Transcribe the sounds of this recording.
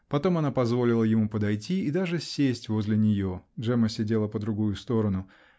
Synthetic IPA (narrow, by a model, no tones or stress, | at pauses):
pɐt̪o̞mɐnapɐzvo̞lʲɪlˠəjɪmupəd̪ɐjtʲiːd̪aʐɨsʲːesʲtʲvo̞zʲlʲɪnʲɪjo̞ʐɛməsʲɪdʲe̞lˠəpəd̪ɾʊɡujʊst̪o̞ɾənʊ